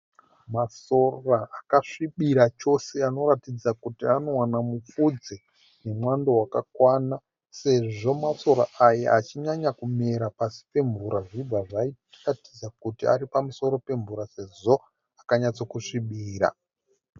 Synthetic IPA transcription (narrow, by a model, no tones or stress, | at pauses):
maso̞raːkaʂiɓiɾat͡ʃo̞se̞ano̞ɾatid͡zakutiano̞wanamup͡fud͡ze | ne̞mwandowakakwana | se̞ʐo̞maso̞ɾa̰aja̰ʔat͡ʃiɲaɲakume̞ɾapasi̥pe̞ɱvuɾaʐib͡vaʐai | ratid͡zakutia̰ɾipamuso̞ɾo̞pe̞ɱvuɾase̞zo̞ | akaɲat͡sokuʂiɓiːɾa̰